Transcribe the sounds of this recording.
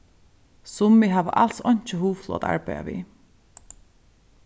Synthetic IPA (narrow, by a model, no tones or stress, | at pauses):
sʊmːiɦaːʋ̰ʔalsɔɲ̥t͡ʃɪɦuːflˠɔ̰ːt̪a̰ɹpaja̰ʋḭː